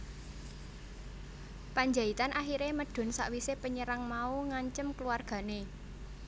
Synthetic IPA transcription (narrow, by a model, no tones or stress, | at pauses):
paɲd͡ʒait̪anʔaɦiɾeməɖ̥ɔ̤nsa̰ʔwisepəɲəɾaŋmauŋaɲt͡ʃəmkəluarɡ̥ä̤ne